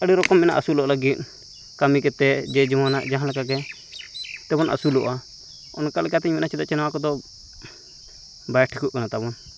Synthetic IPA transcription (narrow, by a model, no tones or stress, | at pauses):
əɽiɾɔkɔmːɛna̰ʔasulɔʔlaɡit̪̚ˀ | kamikɛt̪ɛd͡ʒɛd͡ʒɔmanaʔd͡ʒaɦãlɛkaɡɛ | t̪ɛbɔnʔa̰sulɔ̰ʔa | ɔnkalkɛat̪ɛɲmɛnat͡ʃid̪aʔt͡ʃɛnawakɔd̪ɔ | bajʈʰikuʔkanat̪abɔn